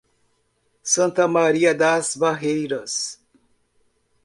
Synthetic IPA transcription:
sɐ̃nt̪ɐmaɾiɐd̪asbaɦejɾɐs

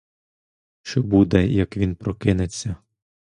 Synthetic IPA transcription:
ʃt͡ʃɔbud̪ɛjɐkʋʲinpɾɔkɪnet͡sʲːɐ

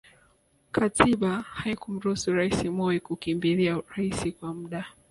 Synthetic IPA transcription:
kʰatʰiɓahaikum̩ɾusuɾaisimɔikukimbiliaɾaisikwamuɗa

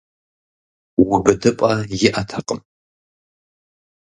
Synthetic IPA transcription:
wʊbɨdɨpʼɐjɪʔɐtʰɐqʼəm

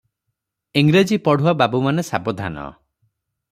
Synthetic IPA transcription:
iŋɡɾed͡ʒipɔɽ̤uababumanesabɔd̪ʱa̰nɔ̰

